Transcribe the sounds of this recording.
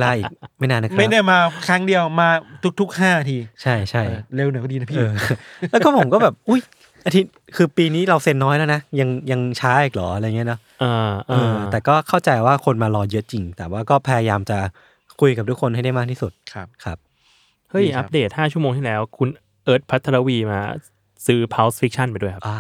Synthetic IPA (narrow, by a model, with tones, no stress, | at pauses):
la˦˩ʔiː˨˩k̚ma˥˩jnaː˧nːa˦˥mka˥˩jdaː˥˩maː˧kʰɾa˦˥ŋdi˧əwmaː˧t̪ʰu˦˥k̪̚ʰu˦˥k̚ɦaː˥˩na˧t̪ʰiː˧t͡ɕʰa˥˩jt͡ɕʰa˥˩jle˧wn˨˩˦kʰdiː˧na˦˥pʰiː˥ɤː˩˧lɛː˦˥kɔː˥˩pʰo˩˦mkɔː˥˩bɛː˨˩p̚ʔu˦˥˩j | ʔa˧t̪ʰi˦˥t̪̚ | kʰɯː˧piː˧niː˦˥ɾa˧wse˧nːɔː˦˥jlɛː˦˥wna˦˥ja˧ŋja˧ŋt͡ɕʰaː˦˥ʔiː˨˩k̚lɔː˩˦˩jŋi˦˥nɔ˦˥ | ʔaː˧ʔːɤː˧t̪ɛː˨˩kɔː˥˩kʰa˥˩wt͡ɕa˧jwaː˥˩kʰo˧nmaː˧lɔː˧jɤ˦˥t͡ɕi˧ŋt̪ɛː˨˩waː˥˩kɔː˥˩pʰa˧ja˧jaː˧mt͡ɕa˨˩ | kʰu˧jka˨˩t̪u˦˥kʰo˧nha˥˩jda˥˩maː˥˩k̚t̪ʰi˥˩su˨˩t̪̚ʰkʰa˦˥p̚ | hɤ˦˥˩jʔʔa˦˥p̚deː˨˩t̪̚haː˥˩t͡ɕʰu˥˩əmoː˧ŋt̪ʰi˥˩lɛː˦˥wkʰu˧n | ʔɤː˦˥t̪̚pʰa˦˥t̪ʰːa˧ɾa˦˥wiː˧ma̰ː˧ | sɯː˦˥pʰa˦˥wsfi˦˥k̚t͡ɕʰa˥˩npa˧jdu˥˩əjkʰa˦pː